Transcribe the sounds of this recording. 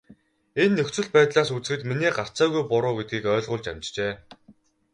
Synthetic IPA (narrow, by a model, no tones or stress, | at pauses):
enːɵkt͡sɘ̆ɮpæːt̪ɮaːsut͡sxɘ̆t̪miniːɢar̥t͡sæːɣujpʊɾʊːɡet̪ɡiːkœːɮʁʊ̆ɮt͡ɕa̰mʲt͡ɕt͡ɕeː